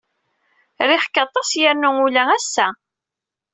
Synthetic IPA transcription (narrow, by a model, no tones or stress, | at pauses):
ɾɪħkːɑt̪ˤːɑsjæɾnuŋulææsːæ